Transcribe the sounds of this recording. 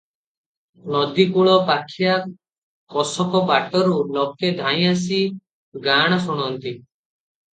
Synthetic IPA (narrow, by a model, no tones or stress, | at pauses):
nɔd̪ikuɭɔpakʰija | kɔsɔkɔpaʈɔɾulɔked̪ʱaj̃as̬i | ɡaɽ̃ɔsuɽ̃ɔnt̪i